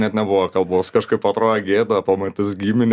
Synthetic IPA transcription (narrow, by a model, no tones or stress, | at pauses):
nʲɛt̪nʲɛbʊʋɐkɐlˠboːskɐʃkɐɪpɐt̪ɾoːjɛɡʲeːd̪ɐpɐmɐt̪ʲɪsɡʲiːmʲɪnʲ